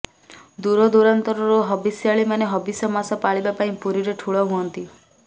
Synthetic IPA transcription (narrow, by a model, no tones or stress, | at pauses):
d̪uɾɔd̪uɾant̪ɔɾɔɾuɦɔbisjaɭimaneɦɔbisɔmasɔpaɭibapaĩpuɾiɾeʈʰuɭɔɦuɔnt̪i